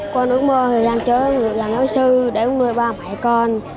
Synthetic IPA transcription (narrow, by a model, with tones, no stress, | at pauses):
kɔ˧nʔɨ˨˦˥əkməː˧hɨː˨˩jzaː˧ŋt͡ɕəː˨˦ŋɨ̰˨zaː˨˩ŋno˨˦jsɨ˧ɗe˧˩ʔʊ˨˦ŋ͡mɗu˧əjɓaː˧ma̰˧˨jkɔ˧n